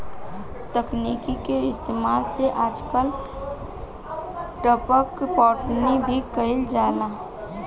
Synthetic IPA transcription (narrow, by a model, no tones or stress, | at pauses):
t̪əkniːkikeɪst̪eːmaːlseʔaːd͡ʒkəl | ʈəpəkpɔːʈnibʱikəɦɪld͡ʒaːlaː